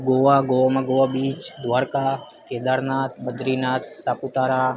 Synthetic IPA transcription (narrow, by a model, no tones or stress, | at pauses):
ɡoʋaɡoʋamãɡoʋabiːt͡ʃd̪ʋaːɾka | ked̪aɾnat̪məd̪ɾinaːt̪̚saput̪aɾa